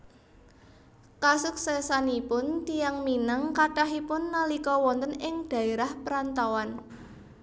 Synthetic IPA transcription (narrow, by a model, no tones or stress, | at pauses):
kasuksɛsanipʊnt̪ijaŋminaŋkaʈaɦipʊnːalikɔwɔnt̪ənɪŋd̥a̤iɾahpəɾant̪awan